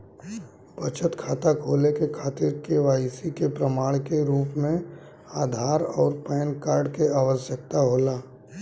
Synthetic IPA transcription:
bɐt͡ʃʰət̪kʰaːt̪akʰoːlekekʰaːt̪ɪɾkeʋaːɪsikepɾəmaːɭkeɾuːpmẽ | aːd̪ʱaːɾɔːɾpɛːnkaːɾɖkeaːʋəsjək̚t̪aɦoːlaː

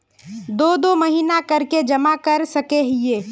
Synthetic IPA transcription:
d̪oːd̪omɐɦiːnakɐɾked͡ʒɐmakɐɾsɐkeɦɪeː

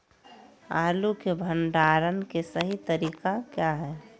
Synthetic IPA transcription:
a̰ːlukebʱəɳɖaːɾənkesəɦit̪əɾiːkakjaɦɛː

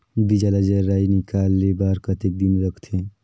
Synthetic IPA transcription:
bid͡ʒalad͡ʒəɾainikalːebaɾkət̪ek̚d̪inɾəkʰt̪ʰe

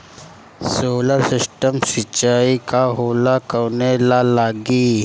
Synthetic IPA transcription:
soːləɾsɪsʈəmsɪt͡ʃaːikaɦoːlakəɾnelalaːɡi

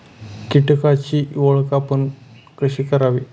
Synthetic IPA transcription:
kiʈkat͡ɕiːʋoɭkapən | kəɕiːkəɾaʋiː

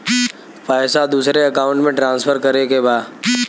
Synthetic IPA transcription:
paːjsad̪uːsɾeəkaːʊ̃ɳʈmẽʈɾãːnsfʰəɾkɐɾekebaːd̪

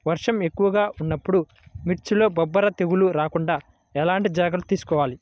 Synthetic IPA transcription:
ʋɐɾʂɐme̞kːuʋɐɡaːʔunːɐpːuɽu | miʈt͡ʃulo̞ːbɐbːɐɾɐt̪e̞ɡuluɾaːkuɳɖaː | ɛlaːɳʈid͡ʒaːɡɐlut̪iːsu̥kɔːʋaːli

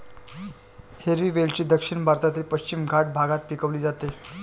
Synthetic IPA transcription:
heɾʋiːʋelt͡ɕiːd̪əkʂinbʱaɾt̪at̪iːlpəɕt͡ɕimɡʱaʈ̚bʱaɡat̪̚pikəʋliːd͡zat̪e

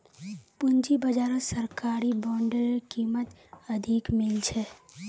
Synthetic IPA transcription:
pʊnd͡ʒibəd͡ʒaːɾõsəɾkaːɾibɔːɳɖəɾkiːmət̪ | əd̪ʱikmɪlt͡ʃʰɛ

